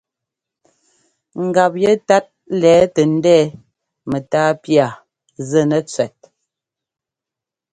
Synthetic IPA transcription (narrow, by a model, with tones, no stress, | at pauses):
ŋ̩˨ɡa˨p̚jɛ˦ta˦t̚lɛː˨˦tə˨n̩˦dɛː˦ | mə˨taː˦pja˨ | zə˦˨nə˨t͡sɥɛ˨t̚